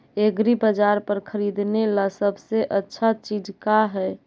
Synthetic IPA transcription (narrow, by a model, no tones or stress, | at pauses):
eɡɾibəd͡ʒaɾpəɾkʰəɾid̪nelasəbʱseʔətːʃʰat͡ʃid͡ʒkaɦɛ